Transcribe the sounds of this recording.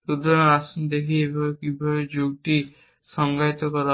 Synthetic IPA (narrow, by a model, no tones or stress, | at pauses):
ud̪ɔɔasund̪ekʰiebʱabekibʱabed͡ʒoɡʈi | sɔŋɡat̪ɔkɔɾa